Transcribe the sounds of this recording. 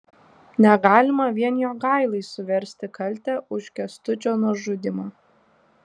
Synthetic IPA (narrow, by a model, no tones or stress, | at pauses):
nʲɛɡɑːlʲɪmɐʋʲiɛnʲjoːɡɑˑɪlˠɐɪsʊʋʲɛɾʲsʲt̪ʲɪkɐlʲt̪ʲɛʊʃʲkʲɛst̪ʊt͡ʃʲoːnuɔʒʊd̪ʲɪmɑː